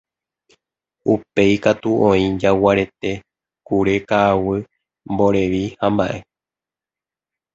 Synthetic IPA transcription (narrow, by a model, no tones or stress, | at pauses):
upe̞jkat̪uʔõ̞ĩd͡ʒawaɾe̞t̪e̞ | kuɾe̞kaːwɨ | mbo̞ɾe̞ʋihãmbaʔe̞